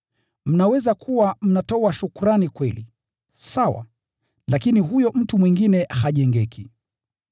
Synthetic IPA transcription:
m̩nawɛzakʰuwam̩natɔwaʃukuɾanikwɛlḭ | sawa̰ | lakiniɦujɔʔm̩tumwiŋɡinɛhaʄɛŋɡɛki

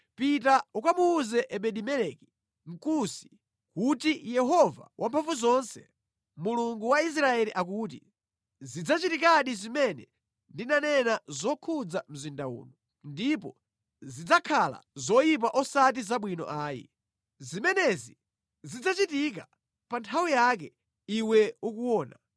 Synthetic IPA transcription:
pitaukamuːzɛʔɛɓɛɗimɛlɛki̥ | ŋ̩kusi̥ | kutijɛɦɔva̰wʔampʰaɱfuzɔnsɛ | muluŋɡuwais̬ɾaɛliʔakuːt̬ḭ | zid͡zat͡ʃitikaɗizimɛnɛ | ndinanɛnazɔkʰud͡zam̩zindaṵːnɔ | ndipɔ | zid͡zakʰala̰zɔjip̬aʔɔsat̬izaɓwinɔ̰ʔaːjḭ | zimɛnɛzi | zid͡zat͡ʃitik̬a | pantʰawijak̬ɛ | iwɛukuwɔːna

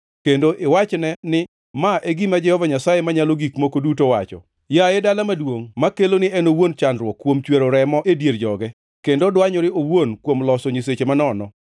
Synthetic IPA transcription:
kendoʔɪwat͡ʃnɛnɪ | maʔeɡimad͡ʒɛhɔvaɲasajemaɲaloɡikmokodutowat͡ʃɔ̰ | jajedalamadwoŋmakelonɪɛnowont͡ʃandɾwɔkːwomt͡ʃweɾoɾɛmɔʔedjerd͡ʒɔɡɛ | kendodwaɲɔɾɪowonkwomlɔsɔɲiset͡ʃemanɔnɔ

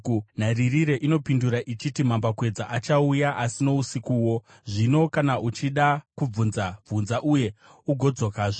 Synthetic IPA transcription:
n̤aririɾe̞ʔino̞pinduɾaʔit͡ʃitim̤ambakwe̞d͡zaʔat͡ʃaujaʔasino̞usikuwo̞ | ʐino̞kanaʔut͡ʃiɗakub͡vunzab͡vunzaʔuje̞ | uɡʱo̞d͡zo̞kaːʐo

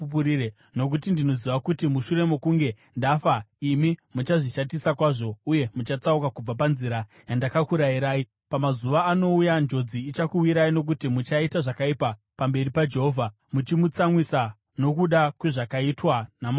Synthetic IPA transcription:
puɾire | no̞k̬ut̬indino̞ziʋakutimuʃure̞mokuŋɡe̞ | ndafaimimut͡ʃaʐiʃatisakwaːʐo̞uje̞mut͡ʃat͡saukakub͡vapanziɾa | jandakakuɾaiɾaːi | pamazuʋaːno̞ujand͡ʒo̞d͡ziːt͡ʃakuwiɾaino̞k̬utimut͡ʃaitaʐakaipa | pambe̞ripad͡ʒe̞ɦoːvʱa | mut͡ʃimut͡samwisa | no̞kuɗakwe̞ʐakaitwanama

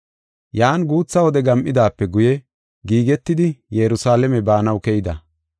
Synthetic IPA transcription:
jaːnɡuːt͡sːɐwɔd̪ɛɡɐmʔɪd̪aːpːɛɡʊjɛ | ɡiːɡɛt̪ːɪd̪ɪjɛɾʊsaːlɛmɛbaːnɐwkɛjɪd̪ɐ

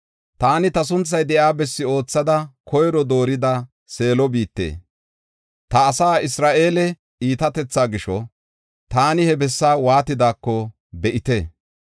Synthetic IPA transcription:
t̪aːnɪt̪ɐs̬ʊnt͡sːɐjd̪ɛʔjaːbɛsːɪo̞ːt͡sːɐd̪ɐkʰɔjɾɔd̪o̞ːɾɪd̪ɐ | se̞ːlɔbiːt̪ːḛː | t̪ɐːsaːɪsɾaːʔe̞ːlɛ | iːt̪ɐt̪ɛt͡sːaːɡɪʃɔ | t̪aːnɪhɛbɛsːaːwaːt̪ɪd̪aːkːɔ | bɛʔɪt̪e

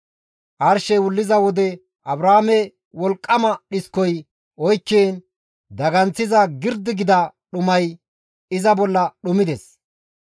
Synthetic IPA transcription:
ʔɐɾʃɛwʊlːɪzɐwɔd̪ɛ | ʔɐbɾaːmɛ | wɔlkʼːɐmɐɗɪskɔj | ʔɔjkːeːn | d̪ɐɡɐnt͡sːɪzɐɡɪɾd̪ɪɡɪd̪ɐɗʊmɐj | ɪzɐbɔlːɐɗʊmɪd̪ɛs

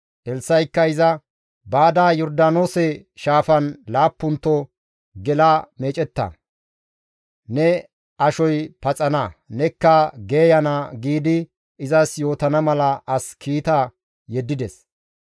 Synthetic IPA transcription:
ʔɛlsːɐjkːɐɪzɐ | baːd̪aːjɔɾd̪aːnoːsɛʃaːfɐnlaːpːʊnt̪ːɔ | ɡɛlameːt͡ʃʼɛt̪ːɐ̰ | nɛ | ʔɐʃɔjpɐt͡sʼɐnɐnɛkːɐɡe̞ːjɐnɐɡiːd̪ɪ | ɪzɐsjo̞ːt̪ɐnɐmɐlɐɐskʰiːt̪ɐ | jɛd̪ːɪd̪ɛs

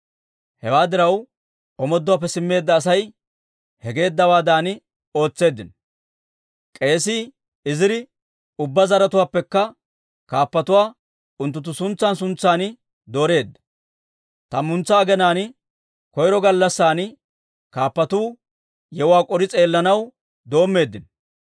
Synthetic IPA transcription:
hɛ̰waːd̪ɪɾɐw | ɔmɔd̪ːʊwaːp̬ːɛsɪmːe̞ːd̪ːɐːs̬ɐj | hɛɡe̞ːd̪ːɐwaːd̪aːnɪ | o̞ːt͡sːe̞ːd̪ːɪn | kʼe̞ːsɪ | ɪzɪɾɪ | ʊbːɐzɐɾɐt̪ʊwaːpːɛkːɐ | kaːpːɐt̪ʊwaː | ʊnt̪ːʊt̪̬ːʊsʊnt͡sːaːnsʊnt͡sːaːnɪ | d̪o̞ːɾe̞ːd̪ːɐ̥ | t̪ɐmʊnt͡sːɐːɡɛnaːnɪ | kɔjɾɔɡɐlːɐsːaːnɪ | kaːpːɐt̪uː | jɛwaːkʼɔɾɪt͡sʼe̞ːlːɐnɐw | d̪o̞ːmːe̞ːd̪ːɪn

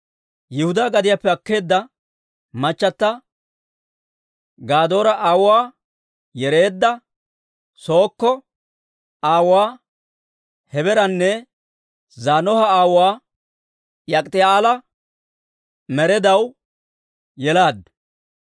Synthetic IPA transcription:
jɪhʊd̪aːɡɐd̪ɪjapːɛɐkːe̞ːd̪ːɐ | mɐt͡ʃːɐt̪ːɐ | ɡaːd̪o̞ːɾɐʔaːwʊwaː | jɛɾe̞ːd̪ːɐ | so̞ːkːɔ | aːwaː | hɛbɛɾɐnːɛ | zaːnɔhɐaːwwaː | jɐkʼt̪ɪaːlɐ | mɛɾɛd̪ɐw | jɛlaːd̪

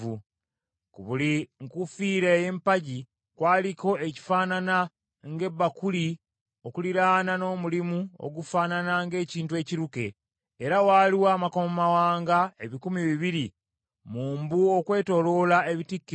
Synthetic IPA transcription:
u | kuβuliŋkufiːɾeːje̞mpaɟi | kwaːliko̞e̞ci̥faːnana | ŋɡe̞bːakuli | o̞kuliɾaːnano̞ːmulimuo̰ɡufaːnanaŋɡe̞ːciːntue̞ːciɾuke̞ː | ɾawaːliwaːmakommawaːŋɡae̞βikumiβiβiɾi | muːmbuo̞kwe̞ːto̞lo̞ːlae̞βitikːi

